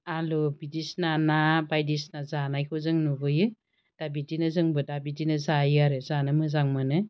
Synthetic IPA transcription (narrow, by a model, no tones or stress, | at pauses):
alobidisnanabajdisnazanajkʰɔzɯŋnubɯjɯ | d̥abidinɯzɯŋbɯdabidinɯzajɯaɾɯzanɯmɯzaŋmɯnɯ